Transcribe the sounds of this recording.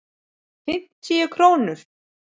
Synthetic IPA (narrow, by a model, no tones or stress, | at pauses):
fɪn̥t̪iakʰɾoːwnʏɾ̥